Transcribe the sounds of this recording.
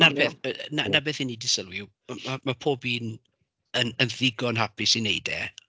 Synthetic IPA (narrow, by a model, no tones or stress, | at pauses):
narpʰeːθnanabeːθhɪnːidɪsəlˠwɪw | mamapʰoːbiːn | ənənðɪɡɔnɦapʰɪsineɨdɛ̰